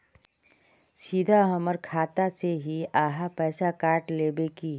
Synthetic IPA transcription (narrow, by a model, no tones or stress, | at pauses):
sid̪ʱaɦɐməɾkʰaːt̪aseɦiaːɦapɛːsakaːʈleːbekiː